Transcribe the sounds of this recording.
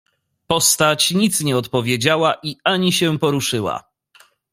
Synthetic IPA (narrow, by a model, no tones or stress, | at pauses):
pɔst̪at͡ɕɲit̪sɲɛɔt̪pɔvʲjed͡ʑawaʔiaɲiɕɛpɔɾuʂɘwa̰